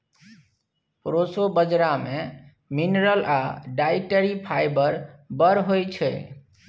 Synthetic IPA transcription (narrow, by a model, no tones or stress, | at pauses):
pɾosobəd͡ʒɾame | minɾəlʔaɖajʈəɾipʰajbəɾbəɾɦojt͡ʃʰɛ̰